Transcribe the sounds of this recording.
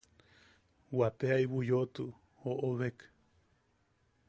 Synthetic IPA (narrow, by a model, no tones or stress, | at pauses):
wat̪eaiβujot̪u | hoʔoβek